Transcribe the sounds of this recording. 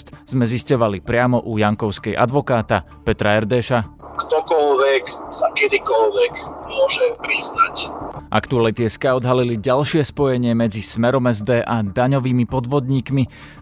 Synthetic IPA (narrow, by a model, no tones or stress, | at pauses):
t̪z̥mɛziscɔʋalipɾɪamɔʔujaŋkɔʊskɛjʔa̰d̪ʋɔkaːt̪a | pɛt̪ɾaɛɾd̪ɛːʃakt̪ɔkɔlʋɛksakɛd̪ikɔlʋɛkmʊɔʒɛpɾiznacʔa̰kt̪ualit̪ɪɛskaɔd̪ɦaliliɟalʃɪɛspɔjɛɲɪɛmɛd͡zismɛɾɔmɛzd̪ɛːʔad̪aɲɔʋiːmipɔd̪ʋɔd̪ɲiːkmi